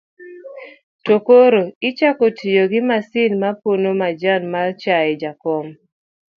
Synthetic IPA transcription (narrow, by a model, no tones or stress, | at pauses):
tokoɾoɪt͡ʃakotʰijoɡɪmasɪnmaponomad͡ʒanmart͡ʃaɛd͡ʒakɔm